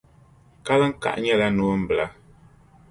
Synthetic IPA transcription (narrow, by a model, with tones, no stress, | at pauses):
ka˦lə˦ŋ̩˦ka̰˨ʔɲɛ˦˨la˦nu˦m̩˦˨bla˦